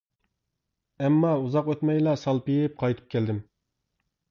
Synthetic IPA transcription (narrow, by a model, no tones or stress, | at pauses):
ɛmːɑuzɑqøt̪mɛjlˠɑsɑlˠpijɪp̚qʰɑjt̪ʰɨ̥p̚kʲæld̪ɪm